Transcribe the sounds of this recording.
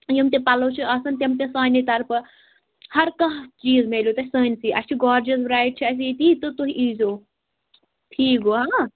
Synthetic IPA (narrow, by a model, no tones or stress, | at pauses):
jɐmt̪epɐloːt͡ʃʰiʔɐsɐnt̪ʲɐmt̪esaːnʲit̪ɐɾpɨ | hɐɾkɐɦt͡ʃiːzmelʲjot̪ɐisəːnʲsiʔɐst͡ʃʰiɡaːɾd͡ʒɐz̬bɾaːiʈ̚t͡ʃʰiɐs̬it̪it̪ɨt̪oɦiʔizoː | ʈʰiːkoaː